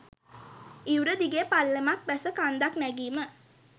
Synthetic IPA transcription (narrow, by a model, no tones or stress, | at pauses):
iwɾəd̪iɡeːpalːəmak̚bæsəkand̪aknæɡiːmə